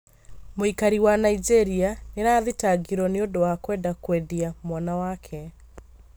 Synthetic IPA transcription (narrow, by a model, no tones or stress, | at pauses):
moikaɾiwanaid͡ʑeɾianeɾaːðetaɡiɾɔneondowakwɛːndakwediamwanawakʰɛ